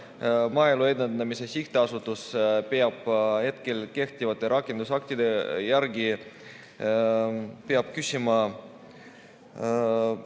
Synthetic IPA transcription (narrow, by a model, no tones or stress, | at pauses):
mɑelue̞d̪end̪ɑmise̞siht̪eɑsut̪ːˑuspeɑb̥he̞t̪ke̞lke̞ht̪ivɑt̪ːˑe̞ɾɑkːˑe̞nd̪usɑk̚t̪id̪̥e̞jærɡi | peɑb̥̚kysʲimɑ